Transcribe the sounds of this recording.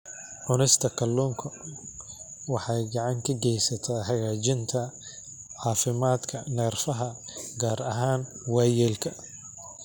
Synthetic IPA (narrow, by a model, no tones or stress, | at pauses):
ʕʊnɪst̪ʰɐkʰɐlːuːŋkʰɐ | wɑħɑjɡɐʕɑŋkʰɐɡɛjsɐt̪ʰaːħɑɣaːt͡ʃɪnt̪ʰɐ | ʕɑːfɪmaːd̪kʰɐnɛːrfɐɦɐɡaːɾɐɦaːnwɑːjɛːlkʰɐ